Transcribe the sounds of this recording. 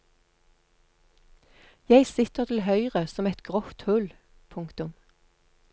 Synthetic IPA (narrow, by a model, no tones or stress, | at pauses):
jæɪsɪt̪əʁt̪ʰl̩hœʏʁəsɔmɛt̪ɡ̥ʁɔft̪hʉl | pʰʊŋkt̪ʊm